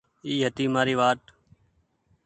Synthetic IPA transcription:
iːɦət̪iːmaːɾiːʋaːʈ̪

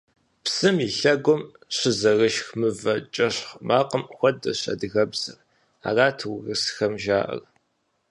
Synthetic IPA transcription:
psɨmiɬɐɡʷɔm | ɕɪzɐrɨʃxmɨvɐt͡ʃʼɐɕχmʔaːqəmxʷɔdɐ̰ɕɐ̰dɨɣɐbz̥ɐ̰r | a̰ːraːtʰwɣɨsxɐmʒaːʔɐ̰r

